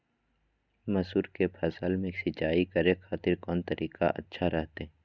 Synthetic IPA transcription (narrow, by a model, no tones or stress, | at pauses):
mɐsuːɾkepʰɛsəlmẽksɪt͡ʃaːikɐɾexʰaːt̪ɪɾkɔːnt̪ɐɾʔiːka̰ʔɐ̰tːʃʰaɾɛɦt̪e